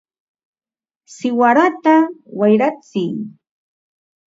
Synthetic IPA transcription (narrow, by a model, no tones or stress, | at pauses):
sɪwaɾat̪awajɾat͡sɪŋ